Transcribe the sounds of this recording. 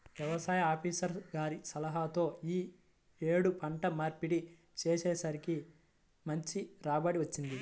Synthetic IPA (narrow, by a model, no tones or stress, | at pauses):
ʋjɛʋɐsaːjɐaːpiːsɐɾɡaːɾisɐlɐɦaːt̪o̞ːiː | eːɽupʰɐɳʈɐmaːɾpiɽi | t͡ʃeːsɛːsaːɾiki | mɐɲt͡ʃiɾaːbaːɽiʋɐt͡ʃːind̪i